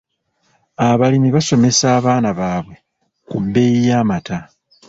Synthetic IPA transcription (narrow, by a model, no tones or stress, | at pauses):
aβalimiβaso̞me̞saːβaːnaβaːβwe̞ | kumbe̞jijaːmata